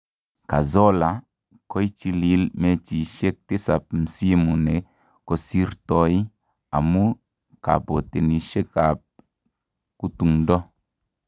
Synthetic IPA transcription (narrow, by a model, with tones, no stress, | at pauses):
ka˨zɔ˦la˨ | ko˦jt͡ʃi˧li˨˦lme˦t͡ʃi˨ʃe˦k̚te˦sa˨p̚m̩˨si˦mu˨ne˨ | ko˦si˦ɾto˦i˦ | a̰˨mu˦ | ka̰˨bo˨te˨ni˨ʃe˦ka˨p̚ | ku˦tu˨ŋdɔ˦